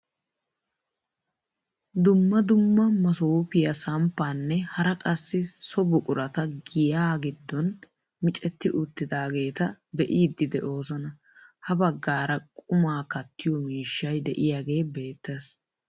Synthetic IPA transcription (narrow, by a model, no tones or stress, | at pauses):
d̪ʊmːɐd̪ʊmːɐmɐsoːpɪjɐsɐmpːaːnːɛhɐɾɐkʼɐsːɪsɔbʊkʼʊɾɐt̪ɐɡɪjaːɡɪd̪ːɔn | mɪt͡ʃʼɛt̪ːɪʔʊt̪ːɪd̪aːɡe̞ːt̪ɐb̪ɛʔiːd̪ːɪd̪ɛʔo̞ːsɐnɐ | hɐbɐɡːaːɾɐkʼʊmaːkɐt̪ːɪjɔmiːʃːɐjd̪ɛʔɪjaɡe̞ːbe̞ːt̪ːeːs